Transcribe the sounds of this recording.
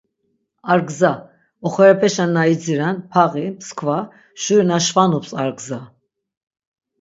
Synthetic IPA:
aɾɡza | ɔχɛɾɛpʰɛʃanːaid͡ziɾanpʰaʁimskʰva | ʃuɾnaʃvanupsaɾɡza

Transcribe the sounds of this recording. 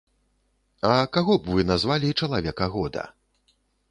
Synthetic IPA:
ɐkaɣɔbvɨnazvalʲit͡ʂɐlˠavʲɛkɐɣɔd̪ɐ̰

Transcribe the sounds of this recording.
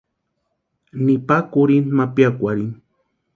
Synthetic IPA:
nipakuɾinmapjakʷaɾin

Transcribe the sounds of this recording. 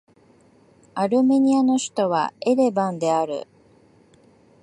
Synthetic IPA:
aɾɯ̟me̞ɲ̟iano̞ɕi̥t̪o̞β̞a̰eɾe̞bãnd̪e̞aɾɯ̟̰

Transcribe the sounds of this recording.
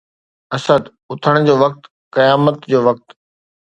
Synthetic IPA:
ɐsəd̪ | ʊt̪ʰəɽ̃d͡ʑoːʋɐk̚t̪ | kɐjaːmət̪d͡ʑoːʋɐk̚t̪

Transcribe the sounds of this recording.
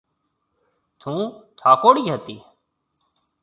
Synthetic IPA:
t̪ʰũːt̪ʰaːkoːɽiːɦət̪iː

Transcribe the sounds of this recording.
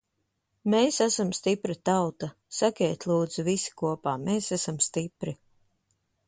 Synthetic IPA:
meːsæsamst̪ipɾat̪awt̪a | sakʲɛːt̪ʲlˠuːd̪z̥uvisi̥kuɔpaːmeːsæasamst̪ipɾi

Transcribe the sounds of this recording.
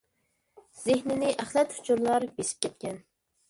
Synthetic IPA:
z̥ɪhnɪnɪʔæχlɛt̪hʊ̥t͡ʃʰuɾlˠɑɾbesɪ̥p̚kʲʰɛt̪̚kʲɛn

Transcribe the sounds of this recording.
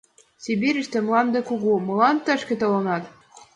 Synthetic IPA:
sʲibʲiɾʲɘ̆ʃt̪ɘ̆mlɑnd̪ɤ̆kuɣumɤ̆lɑnt̪ːæʃkʲĕt̪ɤ̆lɤ̆nɑt̪

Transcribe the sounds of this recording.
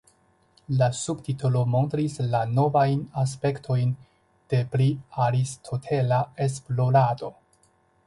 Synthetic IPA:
lasubtitulo̞mo̞ntɾislano̞vajnas̬pe̞ktʰo̞jn | d̥e̞pliaɾistʰo̞tʰe̞lae̞s̬plo̞ɾado̞

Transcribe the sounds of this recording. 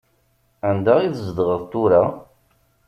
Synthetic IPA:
ænd̪aiθzd̪ʁəðˤt̪ʊɾa

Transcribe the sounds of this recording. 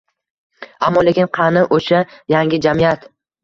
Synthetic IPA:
amːɒlekʲɪnqʰɑnɪʔoʃajaŋɡʲɪd͡ʒamɪjat̪

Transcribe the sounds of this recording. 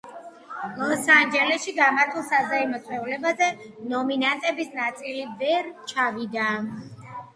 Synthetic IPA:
lɔsand͡ʒɛlɛʃiɡamaɾt̪ʰulˠsazaimɔsʼwɛvulɛbazɛnɔminant̪ʼɛbisnat̪sʼilivɛɾt͡ʃʰavid̪a

